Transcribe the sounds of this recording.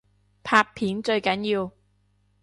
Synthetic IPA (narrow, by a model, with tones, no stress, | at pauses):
pʰaː˧k̚pʰiː˨˥nt͡ʃɵ˧ɥkɐ˨˥njiː˧w